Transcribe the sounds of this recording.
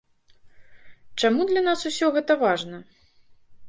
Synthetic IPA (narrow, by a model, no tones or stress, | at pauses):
t͡ʂamud̪lʲɐnasusʲɔɣɛt̪ɐvaʐnɐ